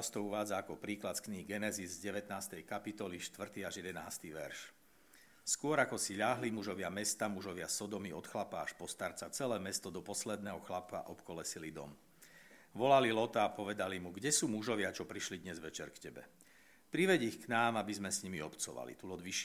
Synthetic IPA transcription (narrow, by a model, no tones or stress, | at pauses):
st̪ɔuʋaːd͡zaːkɔpɾiːklat̪skniːɡɛnɛzizzɟɛʋɛt̪naːst̪ɛjkapit̪ɔliʃt̪ʋr̩t̪iːaʒjɛd̪ɛna̰ːst̪iʋɛɾʃ | skʊɔɾakɔsiʎaɦlimuʒɔʋɪamɛst̪amuʒɔʋɪasɔd̪ɔmiɔt̪xlapaːʃpɔst̪aɾt͡sat͡sɛlɛːmɛst̪ɔd̪ɔpɔslɛd̪̚nɛːɦɔxlapa̰ʔɔpkɔlɛsilid̪ɔ̰m | ʋɔlalilɔt̪aːpɔʋɛd̪alimuɡɟɛsuːmuʒɔʋɪat͡ʃɔpɾiʃlid̪ɲɛzʋɛt͡ʃɛɾkcɛbɛ̰ | pɾiʋɛɟixknaːmabizmɛsɲimiɔpt͡sɔ̰ʋa̰lḭt̪ulɔd̪ʋiʃ